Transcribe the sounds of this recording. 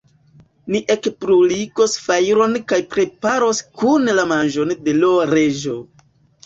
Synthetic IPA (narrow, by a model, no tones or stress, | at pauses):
niʔe̞kpɾulikosfajɾo̞nkajpɾe̞paɾoskunlamanʒo̞nde̞loɾe̞ʒo̰